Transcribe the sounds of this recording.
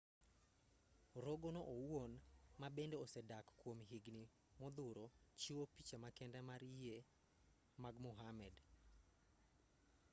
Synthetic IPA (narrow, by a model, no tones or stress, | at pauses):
ɾoɡonoʔowonmabendeosɛdakkwomɦiɡni | mɔd̪ʊɾot͡ʃiwopit͡ʃamakɛndɛmaɾe | maɡmʊɦamɛd